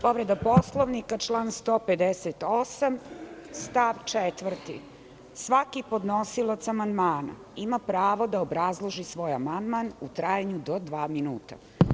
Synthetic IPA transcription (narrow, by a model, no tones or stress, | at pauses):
po̞ʋɾed̪aposlˠoʋnikat͡ʃlˠaːnst̪oːped̪eset̪osamst̪aʋt͡ʂet̪ʋr̩t̪ḭ | sʋakipo̞d̪nosilˠat̪samand̪maːna̰ | imapɾaːʋo̞d̪aobɾazlˠoʒisʋo̞ːjamand̪manut̪ɾajaɲud̪od̪ʋaːminuːt̪a̰